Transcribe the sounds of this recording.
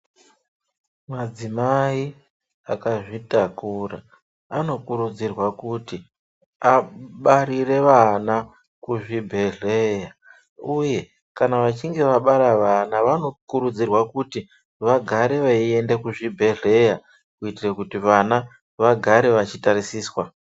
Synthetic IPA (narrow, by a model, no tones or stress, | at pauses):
mad͡zimai | akaʐitakura̰ː | no̞kuɾud͡zirwakuti | aɓaɾire̞ʋana | kuʐibʱe̞ɮe̞ja | uje̞ | kanaʋat͡ʃiŋɡe̞ʋaɓaɾaʋanaʋano̞kuɾud͡zirwakuti | ʋaɡʱaɾe̞ʋaie̞ndekuʐibʱe̞ɮe̞ja | kuitirakutiʋana | ʋaɡʱaɾe̞ʋat͡ʃitaɾisiːswa